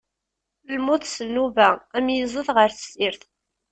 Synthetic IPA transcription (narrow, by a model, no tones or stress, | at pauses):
lmʊθsənːuvææmjəzˤəðʁəɾθə̥siɾθ